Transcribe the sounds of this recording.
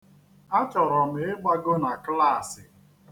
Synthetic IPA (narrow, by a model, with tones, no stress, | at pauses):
a˦t͡ʃɔ˨ɾɔ˨m̩˨ɪ˦ɡ͡ba˦ɡo˦na˨kla˦˨sɪ˨